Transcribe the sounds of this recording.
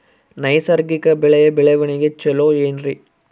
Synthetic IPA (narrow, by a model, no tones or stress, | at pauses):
nɐɪsɐɾɡɪkːɐbɪɭɐjɐbɪɭɐʋɐɳɪɡɐt͡ʃːɛloːɛndri